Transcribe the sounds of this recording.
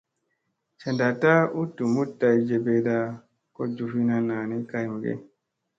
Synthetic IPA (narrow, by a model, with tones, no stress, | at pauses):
t͡ʃɛ˨nda˨ta˦u˦tːu˨mu˦tːa˨jd͡ʒe˨be˨da˦ | kɔ˦d͡ʒu˨fi˦na˦nːa˨ni˦ka˨jmu˨ɡɛ̰˦